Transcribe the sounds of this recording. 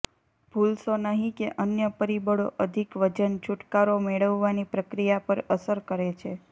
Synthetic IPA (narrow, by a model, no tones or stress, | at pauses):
b̥ʱulsonəɦĩkeʔənjəpəɾibəɽo̰ʔəd̪ʱikʋəd͡ʒənt͡ʃʰuʈkaɾomeɭəʋːanipɾəkɾijapəɾəsəɾkəɾet͡ʃʰe